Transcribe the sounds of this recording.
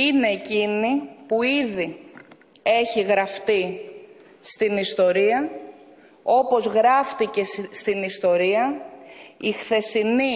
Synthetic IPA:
ine̞ːcinipuiði | e̞çiɣɾɐft̪i | st̪inist̪o̞ɾiɐ | o̞po̞zɣɾɐft̪ice̞st̪inist̪o̞ɾiɐ | ixθe̞sini

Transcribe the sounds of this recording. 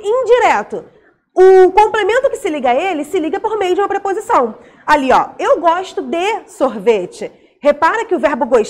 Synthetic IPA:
ĩj̃d͡ʒiɾɛt̪ʊ | ʊkõmplemẽnt̪ʊkɪ̥sɪliɡɐelɪsɪliɡɐpoɾmejʊd͡ʒɪũmɐpɾepozisɐ̃w̃ | aliɔ̰ewɡɔʃt̪ʊd̪esoɾvet͡ʃɪ | hepaɾɐkɪʊvɛɾbʊɡojʃ

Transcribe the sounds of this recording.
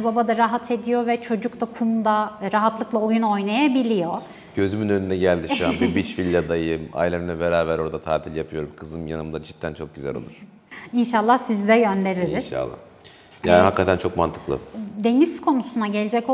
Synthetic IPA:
babad̪aɾaɦat̪ʰe̞d̪ijo̞vɛt͡ʃʰo̞d͡ʒukt̪ʰakʰumd̪aɾaɦat̪lˠɯklˠaojuno̞jnajabilʲijo̞ | ɟø̞zymynønynd̪ɛɟælʲd̪iiʃua̰nbibit͡ʃfilʲːad̪ajɯma̰jlʲeminʲɛbeɾaːbæɾo̞ɾd̪at̪ʰaːt̪ʰilʲjapʰɯjo̞ɾumkʰɯzɯmja̰nɯmd̪at͡ʃʰi̥t̪ʰːænt͡ʃʰo̞k̚ɟyzæ̰lo̰lˠṵɾ̥ | inʃalˠːahsizd̪ɛɟø̞nd̪e̞ɾiɾiza̰lˠːa̰ | jaːnihakːat̪ʰænt͡ʃʰo̞kma̰nt̪ʰɯ̥klˠɯ̰d̪e̞niz̥kʰo̞nusunaɟe̞lʲed͡ʒɛco

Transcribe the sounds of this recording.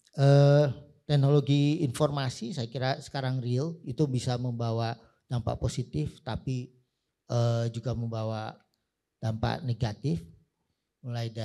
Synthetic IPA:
ʔə | t̪ɛknoloɡiːnformasisajakiɾasə̥kaɾaŋrilit̪ubisaməmbawa | d̥ampa̰ʔposit̪ɪft̪api | ʔəd͡ʒuɡaməmbawa | d̥ampa̰ʔneɡat̪ɪf | mulajda

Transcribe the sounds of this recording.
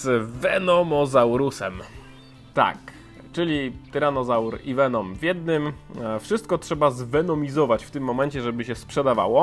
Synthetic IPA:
z̥vɛnɔmɔzawɾusɛm | t̪a̰k | t͡ʂɘlʲit̪ɾanɔzawɾivɛnɔmvjɛd̪nɘmfʂɘst̪̚kɔtʂɛbazvɛnɔmʲizɔvat͡ɕft̪ɘmːɔmɛɲt͡ɕɛʐɛbɘɕɛspʂɛd̪ava̰wɔ

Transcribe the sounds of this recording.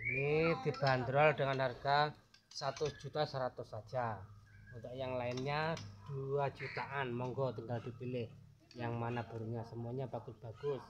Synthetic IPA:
inid̪̥i̤b̥a̤nd̪ɾɔldəŋanarɡa | sat̪ʊsd͡ʒ̥ut̪asəɾat̪ʊsad̥d͡ʒ̥aunt̪ɔʔjaŋlaɪnɲad̪̥uḁd͡ʒ̥ut̪aʔanmɔŋɡɔt̪uŋɡald̪̥ipilɪh | jaŋmanab̥uɾuɲasəmuaɲab̥aɡ̥ʊsb̥aɡ̥ʊs

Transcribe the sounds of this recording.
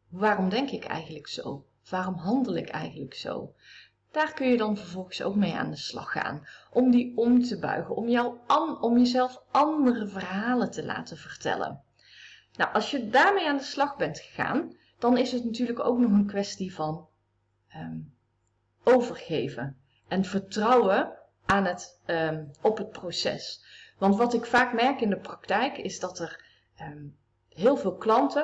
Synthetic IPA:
ʋaːrɔmdɛŋkɪkɛ̰jχənləkso̰w | ʋaːrɔmɦɑndəlˠɪkɛ̰jχənləkso̰w | d̥aːɹkɵnjədɑnvəɹvɔlˠχəso̰wkmeja̰ːndəslɑ̰xːa̰ːnʔɔmdiɔmtəbœ̰ɥɣəɔmjawɔmjəzɛlˠfɑndərəvərɦaːləntəla̰ːtənvərtɛ̰lə̰n | nawʔɑlˠsjədaːɹmejaːndəslɑχbɛntxə̥a̰ːn | d̥ɑnɪsətnatyːɹrləko̰wknɔχənkʋɛstivɑn | ə | owvərχejvən | ɛnv̥əɹtrɑwə | ʔaːnɦət | ɔpɦət̚prosɛ̰sʋɑntʋɑtɪkfaːkmɛɹkɪndəprɑktɛjkɪzdɑtər | ə | ɦɪːlˠvɪːlˠklɑntə

